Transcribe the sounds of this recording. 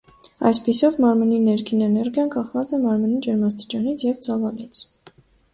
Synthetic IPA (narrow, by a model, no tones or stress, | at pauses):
ɑ̰jspisɔvmɑɾməninɛɾkʰinɛnɛɾɡjɑnkɑχvɑt͡sɛmɑɾmənid͡ʒɛɾmɑst̪i̥t͡ʃɑnit͡sʰjɛvt͡sʰɑvɑlit͡sʰ